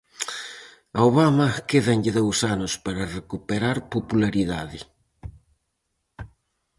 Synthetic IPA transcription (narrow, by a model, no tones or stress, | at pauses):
aoβamɐkeðɐnʎɪðowsanʊspaɾɐrekupeɾaɾpopulaɾiðaðɪ